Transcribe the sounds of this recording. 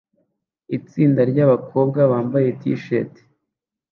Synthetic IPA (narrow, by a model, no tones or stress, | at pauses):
it͡siːndaɾɟaβakʰo̞b̚ɡaβaːmbaje̞tḭʃḛte̥